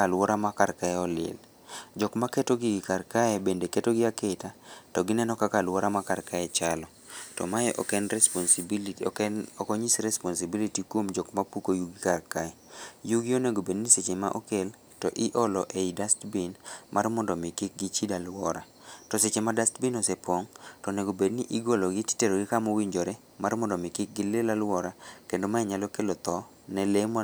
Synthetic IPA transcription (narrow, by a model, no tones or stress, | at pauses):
alwɔɾamakarkaɛɔlɪ̰l | d͡ʒɔkmaketoɡiɡɪkarkaɛbendeketoɡɪaketatɔɡɪnɛnɔkakalwɔɾamakarkaɛt͡ʃalɔ | tɔ̰majɛʔɔkɛnɛsɔn | ɔkɔɲisɾɛspɔnsibilitikwomd͡ʒɔkmapukojuɡikarkaɛjuɡionɛɡobedniset͡ʃema̰ʔɔkel | tɔʔɪʔɔlɔʔeidastbinmarmɔndɔmɪkɪk̚ɡɪt͡ʃidalwɔɾa | tɔset͡ʃemadastbinɔsɛpɔŋtɔnɛɡobedniʔiɡolɔɡiti̥teɾoɡɪkamowiɲd͡ʒoɾɛ | marmɔndɔmɪkɪk̚ɡɪlelalwɔɾakendomajɛɲalɔkelot̪ɔ | nɛlem